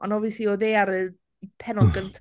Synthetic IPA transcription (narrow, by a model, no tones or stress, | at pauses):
ʔɔnɔviəslioðeːaɾə | pʰɛnɔlˠɡəntʰ